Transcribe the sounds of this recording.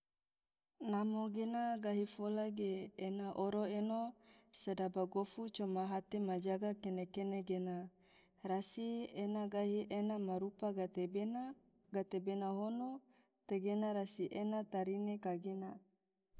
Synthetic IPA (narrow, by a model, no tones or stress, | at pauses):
namoɡenaɡaɦifolaɡeːnaʔoɾoenosadabaɡofut͡ʃomaɦat̪emad͡ʒaɡakenekeneɡena | rasienaɡaɦiʔenamaɾupaɡat̪eben | ɡat̪ebenaɦono | t̪eɡenaɾasiʔenat̪aɾinekaɡena